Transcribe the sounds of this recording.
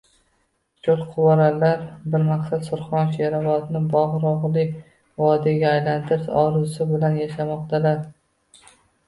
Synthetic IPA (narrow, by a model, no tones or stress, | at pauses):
t͡ʃʰʊlˠqʰʊwaɾalaɾbɪɾmaqsat̪sʊɾχɒnʃeɾavɒd̪nɪbɒʁɾɒʁlˠɪ | vɒd̪ɪɡʲaːjlant̪ʰɪɾɪsɒɾʊsɪbɪlanjaʃamɒqt̪ʰalaɾ